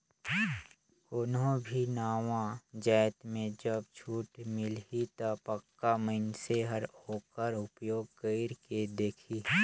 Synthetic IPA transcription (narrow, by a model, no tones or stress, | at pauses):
koːnɦõbʱinaːʋãd͡ʒaːt̪mẽd͡ʒəbt͡ʃʰuːʈmɪlit̪apəkːaməɪnseɦəɾoːkəɾʊpjoːɡkəɪɾked̪eːkʰiː